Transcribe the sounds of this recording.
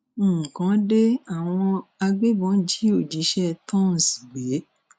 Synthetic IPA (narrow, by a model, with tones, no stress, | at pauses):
kã˨˦de˦a˦˨w̃ɔ̃˧a˧ɡ͡be˦bɔ̃˨˦n̩˦d͡ʒi˨˦o˦˨d͡ʒi˨˦ʃɛ˦˨tɔ̃˦n̩˨si̥˨ɡ͡be˨˦